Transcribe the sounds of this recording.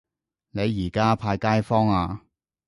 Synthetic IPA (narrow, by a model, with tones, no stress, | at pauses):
ne˨˧jjiː˨˩kaː˥pʰaː˧jkaː˥jfɔː˥ŋaː˧